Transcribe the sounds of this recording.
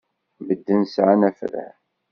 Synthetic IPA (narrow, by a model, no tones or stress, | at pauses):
bəd̪ːənsʕanæfɾə̰